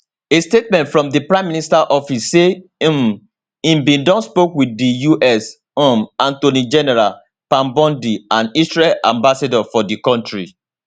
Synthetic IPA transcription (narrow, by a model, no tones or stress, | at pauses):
estet̚mɛ̃ntfɹɔ̃mdipɹãɪ̃mːĩnistaʔɔfisːẽm | ĩmbĩndɔ̃nspokwidijuʔɛs | omãntonid͡ʒɛnɛɹal | pãmbɔ̃ndiãnisɹɛlʔã̰mbasadɔfɔdikɔ̃ntɹi